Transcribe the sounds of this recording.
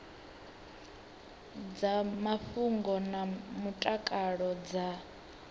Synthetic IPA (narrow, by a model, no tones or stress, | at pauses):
d͡zamafuŋɡɔnamutʼakʼaɺɔd͡za